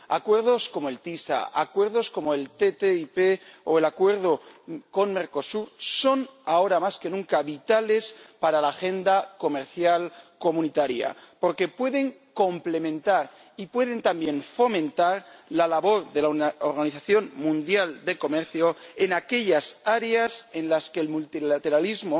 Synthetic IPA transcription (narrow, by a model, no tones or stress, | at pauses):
a̰kwe̞ɾð̞o̞sko̞moe̞lt̪isa̰a̰kwe̞ɾðo̞sko̞moelt̪et̪eipeoelakwe̞ɾð̞oko̞nme̞ɾko̞suɾso̞nao̞ɾamaske̞nũŋkaβit̪ale̞spaɾalaːxe̞nd̪ako̞me̞ɾθjalko̞mũnit̪aɾja̰po̞ɾke̞pwe̞ðe̞ŋko̞mple̞mẽ̞nt̪aɾ | ipwe̞ð̞e̞nt̪ambje̞nfo̞mẽ̞nt̪aɾlalaβo̞ɾðe̞laoɾɣaniθaθjo̞nmũnd̪jald̪e̞ko̞meɾθjoenake̞ʎasaɾease̞nlaskelmult̪ilat̪e̞ɾalizmo